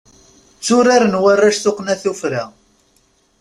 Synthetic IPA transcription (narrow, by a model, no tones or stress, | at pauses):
t͡sːʊɾaɾənwarːaʃθʊqnæθufɾa